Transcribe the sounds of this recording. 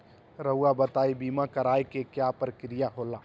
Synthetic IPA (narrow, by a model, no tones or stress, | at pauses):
ɾəuabət̪aːibiːmakəɾaːjkekjapəɾkɾijaɦolaː